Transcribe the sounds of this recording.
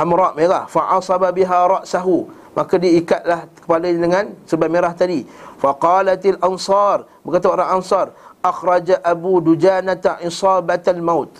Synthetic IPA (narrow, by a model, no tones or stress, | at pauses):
ʔamɾɑʔmeɾahfaʕɑsˤɑbabiɦaɾˤɑʔsaɦu | makadiaikat̪̚lahkə̥paladəŋãnsəbameɾaht̪adifaqɑːlat̪alʔansɑːrbəkat̪aoɾaŋansɑrʔaxɾˤɑd͡ʒaʔabudud͡ʒaːnat̪aʔisɑːbat̪almawt̪